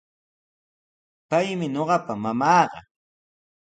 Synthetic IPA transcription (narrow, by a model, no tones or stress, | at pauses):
pajmɪɲoɢɑpamamɑːɢɑ̰